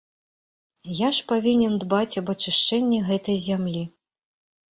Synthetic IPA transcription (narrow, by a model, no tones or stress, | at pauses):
jaʂpavʲinʲɛnd̪bat͡sʲɐbɐt͡ʂɨʂt͡ʂɛnʲːɛɣɛt̪ɐjzʲamlʲi